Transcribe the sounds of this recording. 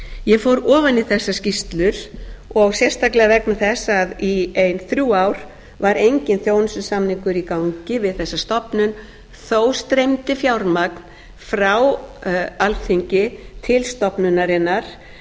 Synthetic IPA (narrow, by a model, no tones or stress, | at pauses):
jɛfowɾɔːvanɪθɛsːascist̪lʏɾ̥ɔɣsjɛst̪aklɛɣavɛknaθɛsːaðiejnθɾjuːawɾ̥ | vaɾejɲcɪnθjoːwnsʏnsamniŋkʏɾikawɲcɪvɪðθɛsːast̪ɔpnʏn | θoːwst̪ɾejmt̪ɪfjawɾmakn̥ | fɾaw | alθiɲcɪt̪ʰɪlst̪ɔpnʏnːaɾɪnːaɾ̥